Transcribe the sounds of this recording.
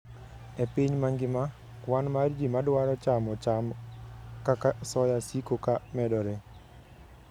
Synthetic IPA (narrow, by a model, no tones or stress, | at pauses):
epiɲmaŋɡɪma | kwanmard͡ʒimadwaɾɔt͡ʃamɔt͡ʃam | kakasɔjasikokamɛdɔɾe